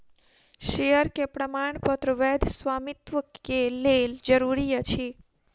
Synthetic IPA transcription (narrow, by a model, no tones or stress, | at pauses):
ʃejəɾkepɾəmaɳpət̪ɾəʋed̪ʱsʋamit̪ʋəkeleld͡ʒəɾuɾiət͡ʃʰi